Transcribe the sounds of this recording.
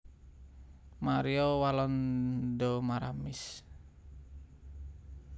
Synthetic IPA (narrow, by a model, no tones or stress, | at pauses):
maɾiɔwalɔndɔmaɾamis